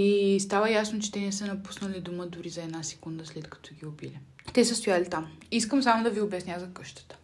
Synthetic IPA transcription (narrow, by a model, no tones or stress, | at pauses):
ist̪avəjasnot͡ʃɛ̥t̪ɛnɛsənɐpu̥snəlid̪uməd̪ʊɾizɐɛd̪nasɛ̥kund̪əslɛt̪kɐ̥t̪ɔɡiʊbilʲɛt̪ɛsɛst̪ʊjalit̪amiskəmsamʊd̪ɐviʊbɛsnʲazɐkɤʃt̪ə̥t̪ə̥